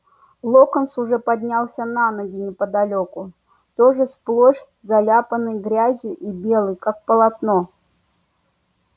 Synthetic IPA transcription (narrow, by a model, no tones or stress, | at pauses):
lˠokənsʊʐɛpɐd̪ʲnʲalˠsʲənanəɡʲɪnʲɪpəd̪ɐlʲokʊ | t̪oʐɨsplˠoʂ | zɐlʲapənɨjɡɾʲazʲjɪʔibʲelˠɨjkak̚pəlˠɐt̪no